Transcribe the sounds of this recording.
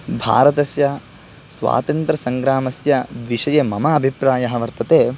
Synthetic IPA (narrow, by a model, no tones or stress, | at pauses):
bʱa̰ːɾɐt̪ɐsjɐ | sʋa̰ːt̪ɐnt̪ɾɐsɐŋɡɾaːmɐsjɐʋiʂɐjeːmɐmɐːbʱipɾaːjɐɦɐʋɐɾt̪ɐt̪eː